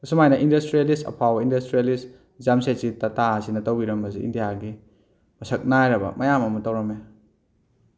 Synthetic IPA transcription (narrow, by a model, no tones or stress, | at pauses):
kɐsumajnɐʔindɐstɾielistɐ̰pʰawɐindɐstɾijelis | zamsesitɐtasinɐtɐwbiɾɐmbɐsiḭndijaɡi | mɐsɐk̚najɾɐbɐ̰mʔɐjamɐmɐtɐwɾɐme